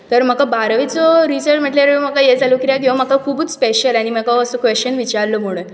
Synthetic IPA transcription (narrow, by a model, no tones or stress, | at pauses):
t̪əɾm̤əkabaɾʋit͡sɔɾisəɾt͡ɕm̤əʈlaɾm̤əkajed͡zalokiɾjak̬iʋam̤əkakʰuːbut͡sspeɕəlaɽ̃im̤əkaəsokʋest͡ɕənʋit͡ɕaɾləm̤oɽ̃ə